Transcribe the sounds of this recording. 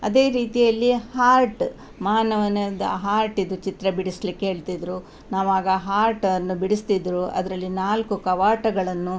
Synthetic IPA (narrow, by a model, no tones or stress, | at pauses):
ɐd̪e̞ːɾiːt̪ijɐlːihaːɾʈ | maːnɐʋɐnɐd̪ɐ̰ɦaːɾʈid̪ut͡ʃit̪ɾɐbiɽislikːeɦe̞ːɭt̪id̪ɾu | naːʋaːɡɐɦaːɾʈɐnːubiɽist̪id̪ɾuʔɐ̰d̪ɐɾɐlːinaːlkukɐʋaːʈɐɡɐɭɐnːu